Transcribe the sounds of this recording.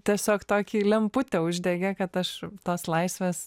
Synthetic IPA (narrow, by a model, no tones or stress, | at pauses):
t̪ʲiɛsʲoːkt̪oːkʲiːlʲɛmpʊt̪ʲɛʊʒʲd̪ʲɛɡʲɛkɐt̪ɐʃt̪oːslˠɐɪsʲʋʲeːs